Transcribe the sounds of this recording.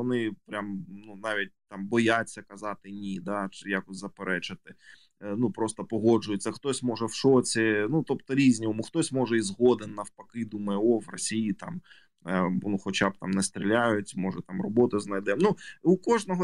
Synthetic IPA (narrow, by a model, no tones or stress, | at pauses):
ɔnɪpɾʲʔamnunɑʋʲit̚ʲt̪ɑmbɔjat͡sʲːɐkɐzɑt̪ɪnʲid̪ɑt͡ʃɪjakɔsʲzɐpeɾʔɛt͡ʃɪt̪ɪ | nupɾɔst̪ɔpɔɦɔd͡ʒʊjʊt͡sʲːɐxt̪ɔsʲmɔʒɛwʃɔt͡sʲɪnut̪ɔpt̪ɔɾʲizʲnʲiɔmuxt̪ɔsʲmɔʐɛizɦɔd̪ɪnːɐwpɐkɪd̪umɐjɛɔʋrɔ̰sʲijit̪ɑ̰m | nuxɔt͡ʃab̚t̪ɑ̰mnɛst̪ɾʲilʲajʊtʲmɔʒɛt̪ɑmrɔbɔt̪ɪznɐjd̪ɛmnuukɔʒnɔɦɔ